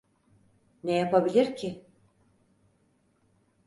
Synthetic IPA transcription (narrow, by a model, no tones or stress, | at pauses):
nejapabilʲiɾcʰɪ